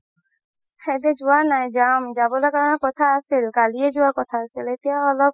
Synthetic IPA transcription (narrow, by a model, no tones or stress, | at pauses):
xedɛd͡ʒʊwanajd͡ʒamd͡ʒabɔlakaɹɔnɔkɔt̪ʰaːsilkaliɛd͡ʒʊwakɔt̪ʰaːsilet̪ijaɔlɔb̚